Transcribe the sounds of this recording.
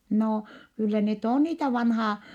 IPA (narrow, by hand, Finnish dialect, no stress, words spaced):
noː kylːæ net oˑn niːtæ ʋɑnhɑː